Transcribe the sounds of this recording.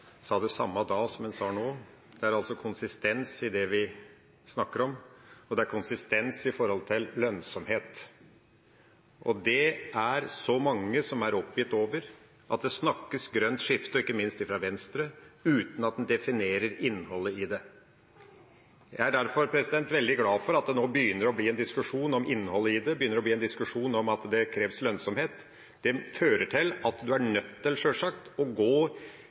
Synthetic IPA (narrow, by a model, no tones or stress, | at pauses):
sɑːd̪ɛsɑ̰mːɑd̪ɑːsɔmhɛnsɑːnoː | d̪̥ɛæɾɑlsɔkʰʊnsɪst̪ɛnsɪd̪ɛʋɪ | snɑkːəɾɔmɔd̪ɛæɾkʰʊnsɪst̪ɛnsɪfɔɾhɔlt̪ʰɪllœnsɔmheːt̪ | ʔɔd̪ɛæɾsɔmɑŋːəsɔmæɾɔpːjɪt̪ːoːʋəɾ | ʔɑ̰t̪̚d̪ɛsnɑkːəsɡɾœnt̪ʂɪft̪əɔɪkːəmɪnst̪ɪfɾɑʋɛnst̪ɾəʉːt̪n̩ɑt̪̚d̪ɛnd̪ɛfɪneːɾəɾɪnːhɔlːəɪd̪ɛ | jæɪæɖæɾfɔɾpʰɾɛsɪd̪ɛnt̪ʋɛld̪ɪɡlɑːfɔɾɑt̪̚d̪ɛnoːbəjʏnːəɾɔbliːɛnd̪ɪskʉʂuːnɔmɪnːhɔlːəɪd̪ɛbəjʏnːəɾɔbliːɛnɪskʉʂuːnɔmɑt̪d̪ɛkʰɾeːʋslœnsɔmheːt̪ | d̪ɛføːɾəʈʰɪlɑt̪d̪ʉæɳœt̪ːɪlʂøːʂɑkt̪ɔɡoː